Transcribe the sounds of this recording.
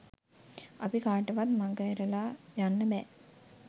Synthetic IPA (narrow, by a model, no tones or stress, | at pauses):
apikaːʈəʋat̪maɡəɾəlaːjanːəbɛː